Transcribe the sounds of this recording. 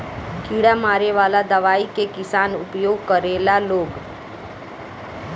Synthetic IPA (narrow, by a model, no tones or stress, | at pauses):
kʰiɽamaːɾeʋaːlad̪əʋaːikekɪsaːnʊpjoːɡ̚kəɾeːlaloːɡ